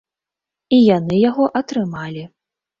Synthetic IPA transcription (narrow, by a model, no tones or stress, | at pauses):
ijanɨjaɣɔʔɐt̪ɾɨmalʲi